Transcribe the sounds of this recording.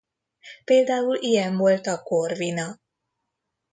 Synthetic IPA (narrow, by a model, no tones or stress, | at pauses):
peːld̪aːulijɛnvo̞lt̪ɒkorvinɒ